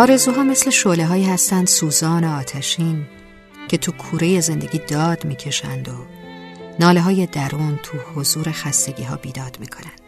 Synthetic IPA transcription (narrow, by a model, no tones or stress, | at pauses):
ʔɒːɾe̞zuːɦɒːme̞sle̞ʃole̞ɦɒːiːhæst̪ænd̪̥suːzɒːneɒːt̪ʰæʃiːn | cʰe̞t̪ʰukʰuːɾe̞je̞ze̞nd̪e̞ɟʲiːd̪ɒːd̪̥miːcʰe̞ʃæ̰nd̪o̞ | nɒːle̞ɦɒːje̞d̪æɾuːnt̪ʰuhozuːɾe̞xæst̪e̞ɟiːɦɒ̰ːbiːd̪ɒːd̪̥miːkʰo̞nænd̥̪